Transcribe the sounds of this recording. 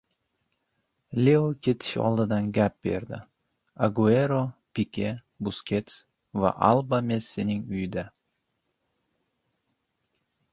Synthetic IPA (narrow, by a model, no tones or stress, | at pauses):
lʲeokʲʰe̞t̪ʰɪ̥ʃɒ̰lˠd̪ɪd̪anɡʲap̚be̞̰ɾd̪ɪ̰ | aɡue̞ɾopikʲʰe̞ | bʊskʲʰe̞t̪s | va̰ʔalˠbame̞sːenɪŋʊjɪd̪a